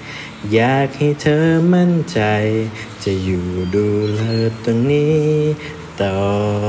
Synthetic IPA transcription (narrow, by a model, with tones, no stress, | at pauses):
jaː˨˩k̚ha˧˩˨t̪ʰɤː˧˦ma˧˥˨nt͡ɕa˧j | t͡ɕa˧˩juː˨˩duː˨˧lɤː˧˩t̪̚ːo˧ŋniː˧˥ | t̪ɔː˨˧˩